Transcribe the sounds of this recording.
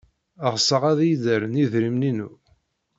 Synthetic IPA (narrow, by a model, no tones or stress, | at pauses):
əʁsəʁæðjðəɾniðɾimninu